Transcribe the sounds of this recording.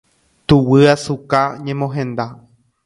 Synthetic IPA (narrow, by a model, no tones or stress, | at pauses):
t̪uwɨasukaɲẽmõɦẽ̞nd̪a